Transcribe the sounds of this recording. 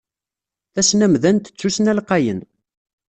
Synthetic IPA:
θæsnæmðænt̪ə̥t͡sːusnælqːɑjən

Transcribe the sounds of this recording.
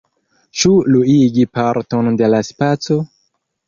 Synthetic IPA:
t͡ʃuluiɡipaɾto̞nde̞laspat͡so̞

